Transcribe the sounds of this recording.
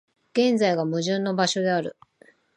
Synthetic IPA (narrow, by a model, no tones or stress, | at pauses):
ɡ̥ẽ̞nd͡zaiɡamɯ̟ʑɨ̃nːo̞baɕo̞d̪e̞aɾɯ̟̰